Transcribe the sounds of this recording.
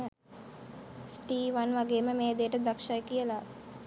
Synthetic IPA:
sʈiːʋɐnʋɐɡeːmɐmeːd̪eːʈɐd̪ɐkʂɐjkijɐla

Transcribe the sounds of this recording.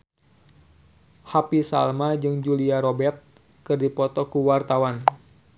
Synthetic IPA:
hapisa̰lmad͡ʒɨŋd͡ʒuliaɾobɛrt̪̚ | kɨrdipɔt̪ɔkuwart̪awan

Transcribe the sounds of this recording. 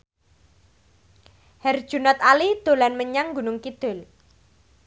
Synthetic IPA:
hɛrd̥ʒ̥ṳnɔt̪alid̪̥o̤lanməɲaŋɡunʊŋkid̪̥ʊl

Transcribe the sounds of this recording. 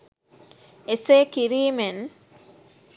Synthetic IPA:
eseːkiɾiːmen

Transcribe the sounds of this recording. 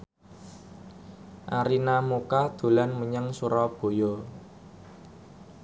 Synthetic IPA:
ʔaɾinamukad̪̥ṳlanməɲəŋsuɾɔb̥o̤jɔ

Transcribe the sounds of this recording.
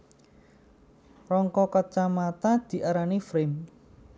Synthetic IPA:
rɔŋkɔkɔt͡ʃamat̪ad̪̥i̤ʔaɾanifɾɪm

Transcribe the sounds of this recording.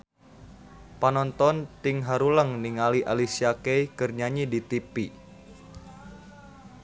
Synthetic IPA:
panɔnt̪ɔnt̪iŋɦaɾuləŋniŋaliʔalisiakɛjkərɲaɲidit̪ipi

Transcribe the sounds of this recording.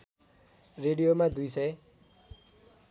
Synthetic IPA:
reɽijomad̪ujsʌj

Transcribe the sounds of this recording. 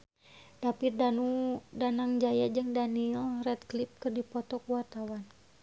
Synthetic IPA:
dapirdanudanaŋd͡ʒajad͡ʒɨŋdaniɛlrɛt̪̚klip̚kɨrdipɔt̪ɔkuwart̪awan

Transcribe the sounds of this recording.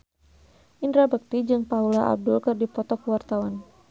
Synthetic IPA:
ʔindɾabək̚t̪id͡ʒɨŋpaulaʔa̰b̚dʊlkɨrdipɔt̪ɔkəwart̪awan

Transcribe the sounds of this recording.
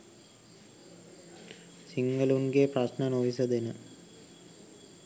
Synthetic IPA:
siŋɡəlunɡeprɐsnənoʋis̬əd̪enə

